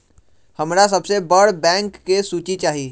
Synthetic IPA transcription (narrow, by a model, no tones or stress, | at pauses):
həmɾas̬ɐbsebəɽ̤bɛ̃ːŋkːesuːt͡ʃit͡ʃaːɦiː